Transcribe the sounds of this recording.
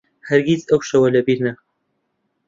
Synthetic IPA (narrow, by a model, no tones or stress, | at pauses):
hɐɾɡʲizɐwʃɐwɐlɐbiɾnɐ